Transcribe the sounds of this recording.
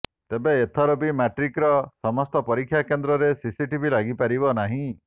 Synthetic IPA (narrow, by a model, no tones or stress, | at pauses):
t̪ebeːt̪ʰɔɾobimaʈɾikɾɔsɔmɔst̪ɔpɔɾikʰːjakend̪ɾɔɾesisiʈibʱilaɡipaɾibɔnaɦĩ